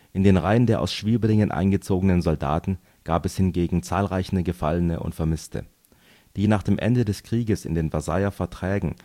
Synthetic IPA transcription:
ʔɪndeːnʁaɪəndeːɐʔa̰ʊsʃv̥iːɐbəlɪŋənʔa̰ɪnɡət͡soːɡənənzɔlda̰ːtn̩ | ɡ̥aːpɛshɪnɡeːɡŋ̩t͡saːlʁaɪçn̩əɡəfalənə̰ʔʊ̰ntfɛɐmɪstʰə̰ | d̥iːnaːχd̥eːmʔɛ̰ndədɛskʁ̥iːɡəsɪ̰ndeːnvazaɪɐfɛɐtʁ̥ɛːɡŋ̩

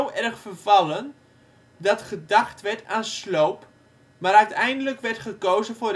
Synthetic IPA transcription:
wɛrχfərvɑlˠən | dɑtχədaχtʋɛɹtaːnslowp | maɾœɥtʰɛjndələkʋɛrtχəkowzəfʊr

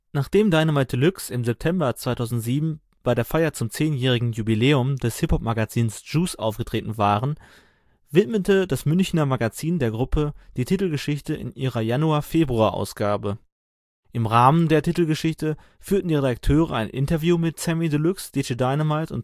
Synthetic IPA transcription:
naːχd̥eːmdaɪnəmat̚dəlʏksɪmzɛp̚tʰɛmbɐt͡sv̥aɪtʰaʊzn̩tz̥iːbm̩ | b̥aɪɾeːɐfaɪɐt͡sʊmt͡seːnjɛːʁ̞ɪɡŋ̩jubileːʊmdɛshɪphɔp̚maɡat͡siːnsʒ̥uːsʔa̰ʊfɡ̥ətʁ̥eːtn̩vaːʁən | vɪtmətədasmʏnçnɐmaɡat͡siːndeːɐɡʁʊpʰəd̥iːtʰitl̩ɡəʃɪçtəʔɪ̰nʔiːʁɐjanuaːɐfeːbʁuaːʔa̰ʊsɡ̥aːbə | ʔɪmʁaːməndeːɐtitl̩ɡəʃɪçtə | fyːɐtn̩diːʁedak̚tʰøːʁə̰a̰ɪnʔɪ̰ntɐvjuːmɪtsɛmidəlʏksd̥et͡ʃədaɪnəmaɪtʊ̰nt

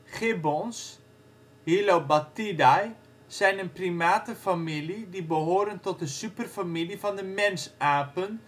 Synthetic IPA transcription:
χɪbɔns | hilowbatidaj | sɛjnənprimaːtəfamilidibəɦoːɾəntɔt̚dəsypərfamilifɔndəmɛnsaːpən

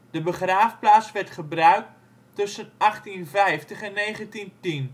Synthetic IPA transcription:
d̥əbəχraːfplaːt͡sʋɛrtχəbrœɥk̚ | tɵsənaχtinvɛjftəχɛnːejχəntintin

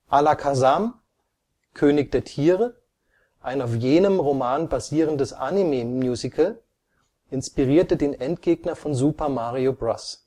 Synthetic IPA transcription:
ʔalakʰazam | kʰøːnɪç̚d̥eːɐtʰiːʁə | ʔaɪnaʊfjeːnəmʁomaːnbaziːʁ̞əndəsʔa̰nimemjuːzikʰəl | ʔɪnspiʁiːɐtədeːnʔɛntɡ̥eːɡnɐfɔnzuːpɐmaːʁiobʁas

